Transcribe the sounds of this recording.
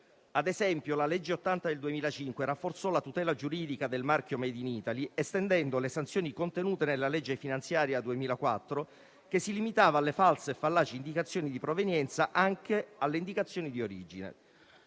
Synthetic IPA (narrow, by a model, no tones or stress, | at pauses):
ad̪ezɛmpjolalɛd͡ʒːeot̪ːant̪ad̪eld̪uemiːlat͡ʃiŋkwerafːort̪sɔlat̪ut̪ɛːlad͡ʒuɾiːd̪ikad̪elmark̟jomɛd̪iniːt̪aliest̪end̪ɛnd̪olesant̪sjoːnikont̪enuːt̪enelːalɛd͡ʒːefinant̪sjaːɾjad̪uemiːlakwat̪ːɾo | kesːilimit̪aːvaːlːefalseːfːalːaːt͡ʃeind̪ikat̪sːjoːnid̪ipɾovenjɛnt̪saʔaŋkealːeind̪ikat̪sːjoːnid̪ioɾid͡ʒinḛ